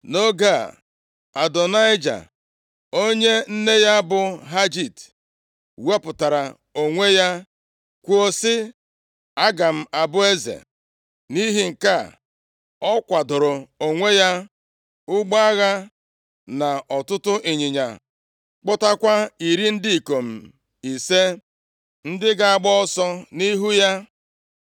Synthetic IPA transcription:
no˦ɡa˦˨ | a˨dɔ˨na˦ɪ˦d͡ʒa̰˨ | o˦ɲe˦n̩˦ne˦ja˦bʊ˨ɦa˦d͡ʒi˦˨t | we˦pʊ˨ta˨ɾa˨ | o˨ŋʷe˦ja˦ | kʷu˦o˦sɪ˦ | a˦ɡa˨m̩˦a˨bʊ˦e˦zḛ˨ | ni˦ɦi˨ŋ̩˨ka˦˨ | ɔ˦kʷa˨dʊ˨ɾʊ˨o˨ŋʷe˦ja˦ | ʊ˦ɡ͡ba˦a˦ɣa˦ | na˨ʔɔ˨tʊ˦tʊ˦ʔi˨ɲɪ˨ɲa̰˨ | k͡pɔ˦ta˦kʷa˦i˨ɾi˦n̩˦dɪ˦i˨ko˨m̩˨ | i˨se˦ | n̩˦dɪ˦ɡa˨a˦˨ɡ͡bɔ˦ɔ˦sɔ˦ni˦ɦu˦ja˦

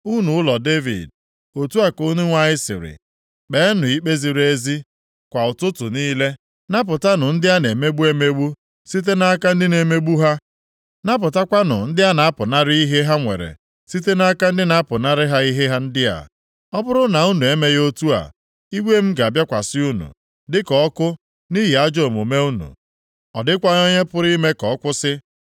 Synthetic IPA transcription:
u˦nu˨ʊ˦lɔ˨de˦vḭ˨d̚ | o˨tu˦a˨ko˦nu˦ŋʷa˦ɲɪ˦sɪ̰˨ɾɪ̰˨ | k͡pe˨˦nʊ˨i˦k͡pe˦zi˨ɾe˦zi˦ | kʷa˨ʊ˨tʊ˦tʊ˨niː˦le˦ | na˦p̬ʊ˨ta˦nʊ˨n̩˦dɪ˦a˦ne˨me˦ɡ͡bu˦e˦me˦ɡ͡bu˦ | si˦t̬e˦na˦ka˦n̩˦dɪ˦ne˨me˦ɡ͡bu˦ɦa˦ | na˦p̬ʊ˨ta˦kʷa˦nʊ̰˨n̩˦dɪ˦a˦na˨a˦pʊ˨na˦ɾɪ˦i˦ɦe˦ɦa˦ŋʷḛ˨ɾḛ˨ | si˦t̬e˦na˦ka˦n̩˦dɪ˦na˨a˦pʊ˨na˦ɾɪ˦ɦa˦i˦ɦe˦ɦa˦n̩˦dɪ˦a̰˨ | ɔ˦bʊ˦ɾʊ˦na˨u˦nu˨e˦me˦jo˦tu˦a̰˨ | i˦ɡʷe˦m̩˦ɡa˨a˨bja˦kʷa˨sɪ˦u˦nṵ˨ | dɪ˦kɔ˨ɔ˦kʊ˦ | ni˦ɦi˨a˦d͡ʒo˨mu˨me˦u˦nṵ˨ | ɔ˨dɪ˦kʷa˦o˦ɲe˦pʊ˨˦ɾi˦me˦kɔ˨ɔ˦kʷʊ˦sɪ˦

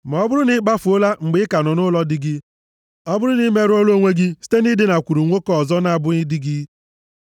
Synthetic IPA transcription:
ma˨ɔ˦bʊ˦ɾʊ˦nɪ˦ɡ͡ba˦fu˨o˦la˦ŋ͡m̩˨ɡ͡bɪ˨˦ka˨nɔ˨nʊ˦lɔ˦dɪ˦ɡɪ˦ | ɔ˦bʊ˦ɾʊ˦ni˦me˦ɾo˦lo˦ŋʷe˦ɡɪ˦si̥˦te˦ni˦dɪ˦na˨kʷu˨ɾu˨ŋʷo˦kɔ˦ɔ˨zɔ˦na˨bʊ˦ni˦dɪ˦ɡi˦

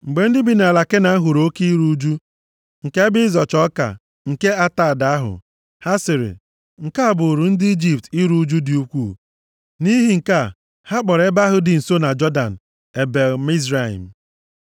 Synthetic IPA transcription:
ŋ͡m̩˨ɡ͡be˨n̩˦dɪ˦bi˨n˨a˨la˨ke˦na˨˦ɦu˨ɾo˦ki˦i˦ɾu˦d͡ʒu˦ | ŋ̩˨ke˦bɪ˦zɔ˨t͡ʃɔ˦ka̰˨ | ŋ̩˨ke˦a˦ta˦˨da˨˦ɦʊ̰˨ | ha˦sɪ˨ɾɪ̰˨ | ŋ̩˨ka˦a˦˨bʊ˨ɾʊ˨n̩˦dɪ˦i˦d͡ʒi˨p̚ti˦ɾu˦d͡ʒu˦dɪ˨u˦kʷu˦˨ | ni˦ɦi˨ŋ̩˨ka˦˨ | ha˦k͡pɔ˨ɾe˦ba˦ɦʊ˦dɪ˨n̩˨so˦na˨d͡ʒɔ˦da̰˨n̩˨ | e˨be˨lmi˦z̬ɾa˦˨ḭ˨m̩˨

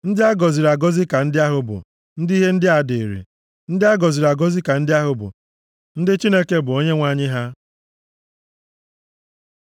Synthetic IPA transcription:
n̩˦dɪ˦a˦ɡɔ˨zi˨ɾa˨ɡɔ˦zɪ˦ka˨n̩˦dɪ˦a˦ɦʊ˨bʊ̰˨ | n̩˦di˦ɦe˦n̩˦dɪ˦a˨de˨ɾḭ˨ | n̩˦dɪ˦a˦ɡɔ˨zi˨ɾa˨ɡɔ˦zi˦ka˨n̩˦dɪ˦a˦ɦʊ˨bʊ̰˨ | n̩˦dɪ˦t͡ʃi˦ne˦ke˦bʊ˨o˦ɲe˦ŋʷa˨ɲɪ˦ɦa˦

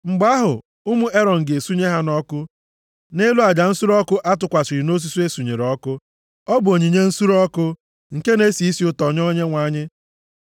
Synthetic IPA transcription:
ŋ͡m̩˨ɡ͡ba˦ɦʊ˨ | ʊ˦mu˦ʔe˦ɾɔ˨ŋ̩˨ɡe˨su˦ɲe˦ɦa˦nɔ˦kʊ˦ | ne˦lu˦a˨d͡ʒa˨n̩˦su˦ɾɔ˦kʊ˦ʔa˦tʊ˨kʷa˨t͡ʃɪ˨ɾi˨no˦s̬u˦su˦e˦su˨ɲe˨ɾɔ˦kʊ˦ | ɔ˦bʊ˨o˨ɲi˨ɲe˦n̩˦su˦ɾɔ˦kʊ˦ | ŋ̩˨ke˦ne˦si˨i˦si˨ʊ˦tɔ˨ɲɔ˦ɲe˦ŋʷa˨˦ɲɪ˦

